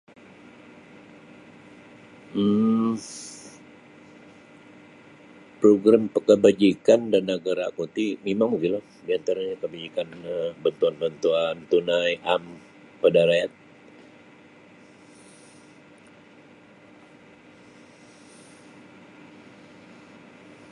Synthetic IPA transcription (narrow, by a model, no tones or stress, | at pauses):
pɾoɡɾampəkəbad͡ʒikandanəɡaɾakut̪imimaŋmukinla | diant̪aɾaɲakəbad͡ʒikanbənt̪uanbənt̪uant̪unajʔam | pədaɾajat̪̚